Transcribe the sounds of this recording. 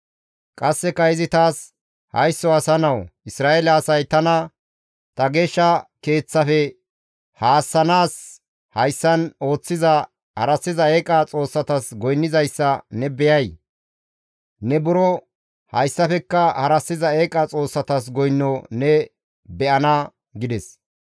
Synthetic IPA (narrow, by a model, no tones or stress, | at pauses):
kʼɐsːɛkɐɪzɪt̪aːs | hɐ̰jsːɔɐsɐnɐwʔɪsɾaːelɐɐsɐjt̪ɐnɐ | t̪ɐɡeːʃːɐke̞ːt͡sːɐfɛ | haːsːɐnaːs | hɐjsːɐno̞ːt͡sːɪzɐ | hɐɾɐsːɪzɐeːkʼɐt͡sʼo̞ːsːɐt̪ɐsɡɔjnːɪzɐjsːɐnɛbɛjɐj | nɛbʊɾɔ | hɐjsːɐfɛkːɐhɐɾɐsːɪzɐeːkʼɐt͡sʼo̞ːsːɐt̪ɐs̬ɡɔjnːɔnɛ | bɛʔɐnɐ | ɡɪd̪ɛs